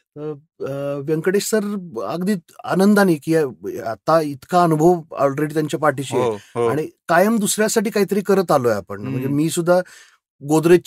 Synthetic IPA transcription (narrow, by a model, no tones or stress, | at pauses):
t̪əɾ | ʋjəŋkəɽeɕsəɾə̰ɡd̪iːt̪a̰nənd̪aniːkiːa̰t̪ait̪kaənubʱəʋɔ̰lɾeɽit̪jaɲt͡ɕjapaɾʈiːɕieɦaɽ̃ikajəmd̪usɾjasaʈiːkaɦit̪əɾiːkəɾət̪alojapə̰ɳm̤əɳd͡zemiːsud̪ʱːa | ɡod̪ɾe